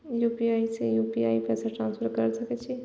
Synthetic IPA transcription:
jupiaisʰẽjupiaːipɛsaʈɾaːnspʰəɾkəɾsəket͡ʃʰi

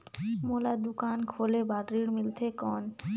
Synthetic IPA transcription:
molad̪ukankʰolebaɾɾiɽmilt̪ʰekɔn

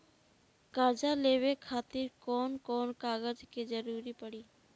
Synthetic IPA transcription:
kad͡ʒalebekʰaːt̪iɾkɔːnkɔnkaːɡəd͡ʒked͡ʒəɾuɾipəɽi

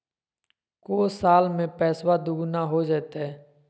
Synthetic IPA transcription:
koːsaːlmẽːpɛːswaːd̪ʊɡnaːɦoːd͡ʒeːt̪ɦɛː

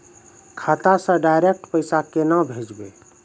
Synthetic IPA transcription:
kʰat̪asə̃ɖajɾek̚ʈpəɪsakenabʱed͡ʒbe

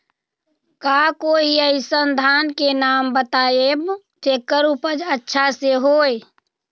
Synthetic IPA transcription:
kaːkoːiəisənd̪ʱaːnkenaːmbət̪aːeb | t͡ʃeːkːəɾupəd͡ʒətːʃʰaseɦoːe

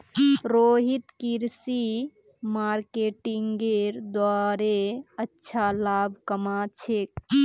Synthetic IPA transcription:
ɾoɦit̪kiɾsi | maɾkeʈiŋɡeɾd̪waɾeətːʃʰalabʱkəmat͡ʃʰek̚

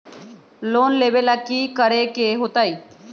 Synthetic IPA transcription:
loːnleːbeːlaːkiːkəɾeːkeːɦoːt̪aːiː

